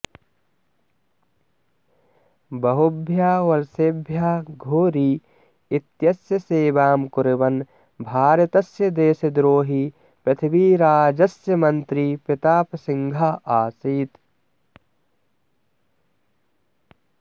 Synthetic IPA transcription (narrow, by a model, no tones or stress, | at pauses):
bɐɦʊbʱjaːʋɐɾsebʱjaːɡʱoːɾiː | ɪt̪jɐsjɐseːʋaːmkʊɾɪʋɐn | bʱaːɾjɐt̪ɐsjɐd̪eːsɐd̪ɾoːɦi | pɐt̪ʰiʋiːɾaːd͡ʒɐsjɐmɐnt̪ɾiːpɪt̪aːpsɪŋɡʱaːʔaːsiːt̪